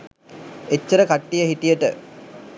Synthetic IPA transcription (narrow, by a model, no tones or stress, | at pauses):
et͡ɕːəɾəkaʈːijəɦiʈijəʈə